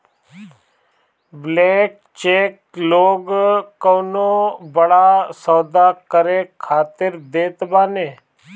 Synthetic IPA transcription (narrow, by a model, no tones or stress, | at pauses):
bleːk̚ | t͡ʃeːk | loːɡoːnoːbəɽaːsoːd̪aːkəɾeːkʰaːt̪ɪɾd̪eːt̪baːneː